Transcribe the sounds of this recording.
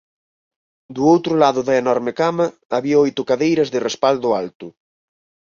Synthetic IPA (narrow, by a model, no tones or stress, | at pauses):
d̪uowt̪ɾʊlaðʊðɐenɔɾmɪkamɐː | βiɐojt̪ʊkaðejɾɐzðɪrespald̪ʊalt̪ʊ